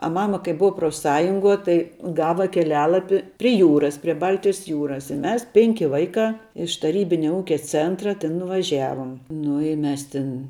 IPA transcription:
ɐ ˈmɑːmɐ kɐɪ ˈbʊɐ proːfˈsɑːjʊŋɡuɔ tɐɪ ˈɡɑːʋɐ kʲɛˈlʲæːlˠɐpʲɪ pʲrʲɪ ˈjuːrɐs pʲrʲɪ ˈbɐlʲtʲɪjɛs ˈjuːrɐs ɪ ˈmʲɛs ˈpʲɛŋʲkʲɪ ˈʋɐɪkɑː ɪʃ tɐˈrʲiːbʲɪnʲɛ ˈuːkʲɛ ˈt͡sʲeːntrɐ tʲeːn nʊʋɐˈʒʲæʋoːm ˈnʊ ɪ ˈmʲɛs ˈtʲɪn

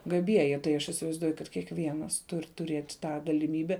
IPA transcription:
ɡɐˈbʲiɛjɪ tɐɪ ˈɐʃ ɪsʲɪʋɐɪzˈduɔjʊ kɐt kʲiɛkˈʋʲiɛnɐs ˈtʊrʲ tʊˈrʲeːtʲ ˈtɑː ɡɐlʲɪˈmʲiːbʲɛ

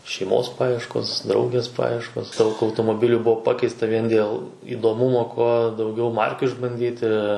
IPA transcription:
ʃʲɛɪˈmoːs ˈpɑːjiɛʃkoːs ˈdrɐʊɡʲeːs ˈpɑːjiɛʃkoːs ˈdɐʊk ɐʊtoːmoːˈbʲɪlʲʊ ˈbuɔ ˈpɑːkʲɛɪstɐ ˈʋʲiɛn dʲeːlˠ iːdoːˈmʊmoː ˈkuɔ dɐʊˈɡʲɛʊ ˈmɐrʲkʲʊ ɪʒbɐnʲˈdʲiːtʲɪ

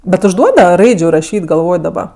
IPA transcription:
ˈbʲɛt ʊʒˈduɔdɐʋɐ ˈrɐɪd͡ʒʲʊ rɐˈʃʲiːtʲ ɡɐlˠˈʋoːj dɐˈbɐ

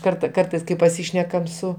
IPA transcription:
ˈkɐrtɐ ˈkɐrtɐɪs kɐɪ pɐˈsʲiːʃʲnʲɛkɐm ˈsʊ

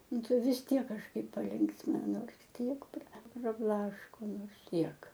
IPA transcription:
ˈnʊ ˈtɐɪ ʋʲɪs ˈtʲiɛk kɐʃˈkɐɪp pɐˈlʲɪŋksʲmʲɪnɐ ˈnoːrs ˈkʲiɛk prɐ prɐˈblˠɑːʃkoː ˈnoːrs ˈtʲiɛk

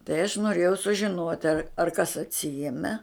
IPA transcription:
tɐɪ ɐʃ noːˈrʲeːjɛʊ sʊʒʲɪˈnuɔtʲ ɐr ɐr kɐs ɐtʲˈsʲiɛmʲɛ

